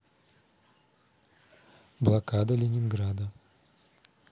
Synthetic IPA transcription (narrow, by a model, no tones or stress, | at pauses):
blˠakad̪əlʲɪnʲɪnɡɾad̪ə